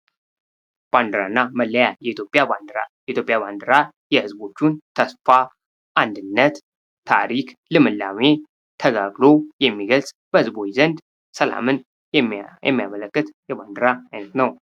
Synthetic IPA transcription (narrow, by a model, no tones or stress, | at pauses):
b̥and̪ɨɾa̰nːaməlːəjajɛit̪ʰjopʼjajɛʔit̪ʰjo̞pʼjaband̪ɾa | jɛhɨzbo̞t͡ʃːunt̪ʰəsfa | ʔand̪ɨnːət̪ːʰ | a̰ɾiklɨmɨlːame | t̪ʰəɡaɡlo̞jɛmːiɡəlsʼ | b̥əhɨzbo̞jizənd̪ | səla̰mɨn | jɛ̰mːija̰mələkːɨt̪jɛband̪ɨɾaajnət̪nəw